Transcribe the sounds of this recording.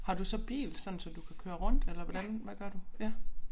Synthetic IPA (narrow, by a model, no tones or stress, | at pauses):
hɑ̈d̥usɒ̽b̥ḭːlsɒ̽nn̩sɒ̽d̥ukʰækʰøːɐʁɔ̽n̰d̥elɐʋɒd̥ænʋæɡ̥ɶɐd̥ujæ